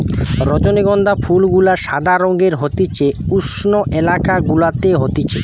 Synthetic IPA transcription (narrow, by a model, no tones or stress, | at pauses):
ɾɔt͡ɕoneɡɔnd̪afʰulɡulaɾʃad̪ʱaɾoŋɡeɾɦot̪it͡ɕeuʃnoʔelakaɡulat̪eɦot̪it͡ɕʰḛ